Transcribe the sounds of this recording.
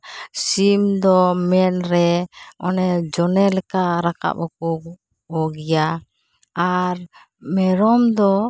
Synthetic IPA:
simd̪ɔmɛnɾɛɔnɛd͡ʒɔnɛlɛkaɾaka̰bɔkuk | ɔɡija | aɾ | mɛɾɔmd̪ɔ

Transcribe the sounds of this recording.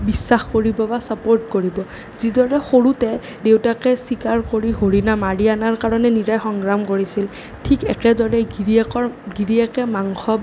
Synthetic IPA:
bisːaxkoɹibɔbasapoɹtkoɹibɔ | zidɔɹɛxoɹutɛ | dewtakɛsikaɹkoɹiɦoɹinamaɹianaɹkaɹɔnɛniɹajxɔŋɡɹamkoɹisil | tʰikɛkɛdɔɹɛiɹikɔɹɡiɹiɛkɛmaŋxɔb

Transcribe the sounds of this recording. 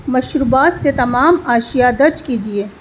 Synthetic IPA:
mɐʃɾubaːt̪set̪ɐmaːmaːʃijad̪ɐɾd͡ʒkiːd͡ʒieː

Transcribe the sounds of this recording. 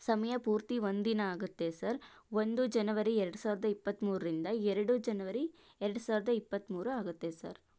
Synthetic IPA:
sɐmɐjɐpuːɾt̪iʋo̞nd̪inɐaːɡut̪ːesɐɾ | ʋond̪ud͡ʒɐnɐʋɐɾiɛɾɐɽusaːʋɾɐd̪ɐipːɐt̪ːmuːɾɾind̪ɐɛɾɐɽud͡ʒɐnɐʋɐɾi | ɛɾɐɽusaːʋɾɐd̪ɐipːɐt̪ːmuːɾuaːɡut̪ːe̞sɐ̰ɾ

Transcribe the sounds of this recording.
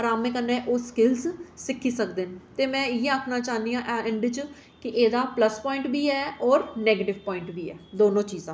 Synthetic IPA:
əɾaːmẽːkənːẽːʔoːskɪlssɪkʰːiːsəkd̪eːnt̪eːmɛ̃ːɪjeaːkʰnaːt͡ʃaːnd̪iːãːʔɛ̃ɳɖt͡ʃ | kɪʔeːd̪aːpləspɔ̃ːɪ̃ɳʈbiːɛːɔːɾneːɡeːʈɪʋpɔ̃ːɪɳʈbiːɛːd̪oːnõːt͡ʃiːzãː

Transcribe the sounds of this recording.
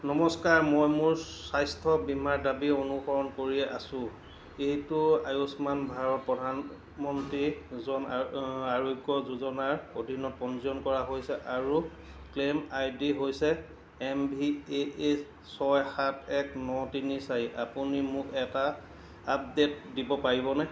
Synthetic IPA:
nɔmɔskaɹmojmʊɹsajstʰɔbimaɹdabionuxɔɹɔnkoɹiɛʔa̰sʊ̃ | ejtʊajosmanbʱaɹɔt̚pɹɔdʱan | mɔntɹizɔnaɹoɡjɔzuzɔnaɹodʱinɔt̚pɔnziɔnkɔɹaɦojsɛʔaɹu | klemajdiɦojsɛː | mbiee | sɔjhatʰɛknɔtinisajiʔapunimʊkɛtaː | p̚detdibɔpaɹibɔnɛ

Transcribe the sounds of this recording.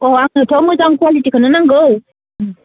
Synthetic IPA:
oaŋətʰoməzaŋkwalitikənənaŋɡəw

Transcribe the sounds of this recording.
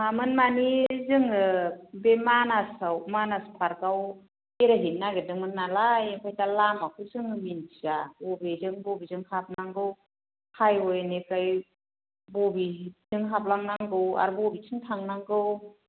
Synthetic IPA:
mamɯnmanizɯŋɯbemanasawmanaspʰaɾkaw | eɾaɦinːaɡedɯŋmɯnːalajkʰajtalamakʰɯzɯŋminʰizabɔbezɯŋbɔbizɯŋkʰap̚naŋɡɯw | kʰajɔjnekaj | bɔbizɯŋkʰap̚laŋnaŋɡɯwa̰ɾbɔbitʰɯŋtʰaŋnaŋɡɯw

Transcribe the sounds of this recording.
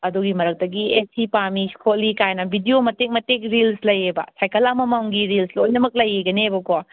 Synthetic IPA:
ɐduɡimɐɾɐk̚dɐɡiesipami̥kʰolikajnɐbʱidiomɐteŋ̚mɐteŋɾilslɐjebɐ̰sajkɐlamɐmawŋɡiɾilslojnɐmɐk̚lɐjeɡɐnebɐko

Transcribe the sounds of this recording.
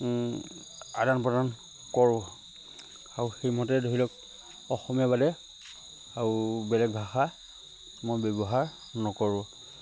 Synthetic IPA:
a̰danpɔdan | kɔɹʊ̃ | aɹuxejmɔtɛdʱoɦilɔk | ɔxɔmijabadɛ | aɹubɛlɛk̚bʱaxa | mojbɛbɔɦaɹ | nɔkɔɹʊ̃

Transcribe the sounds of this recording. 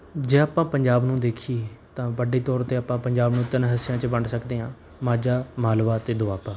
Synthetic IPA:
d͡ʒeːaːpãːpəɲd͡ʒaːbnũːd̪eːkʰiːt̪ãːʋəɖeːt̪ɔːɾt̪eːaːpãːpəɲd͡ʒaːbnũːt̪ɪnɦəsɪjãːt͡ʃbəɳɖsəkd̪eːãː | maːd͡ʒaːmaːlʋaːt̪eːd̪ʊʋaːpaː

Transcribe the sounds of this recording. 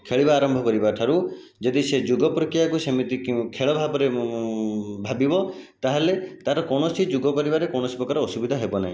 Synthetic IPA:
kʰeɭibaːɾɔmbʱɔkɔɾibaʈʰaɾud͡ʒɔd̪ised͡ʒuɡɔpɾɔkɾijakusemit̪ikʰeɭɔbʱabɔɾe | bʱabibɔt̪aɦelet̪aɾɔkɔɳ̃ɔsid͡ʒuɡɔkɔɾibaɾekoɽ̃ɔsipɾɔkaɾɔɔsubid̪ʱaɦebɔna̰ĩ

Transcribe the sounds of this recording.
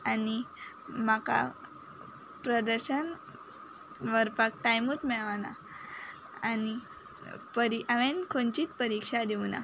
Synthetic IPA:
ani | maka̰ | pɾəd̪əɾɕən | ʋəɾpak̚ʈajmut̪ʰmɛɭʋana̰ | ani | pəɾiʔaʋenkʰont͡ɕiːt̪pəɾikʂad̪iʋna̰

